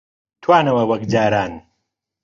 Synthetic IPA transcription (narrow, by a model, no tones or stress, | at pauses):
t̪ʰwaːnɐwɐwɐk̚d͡ʒaːɾaːn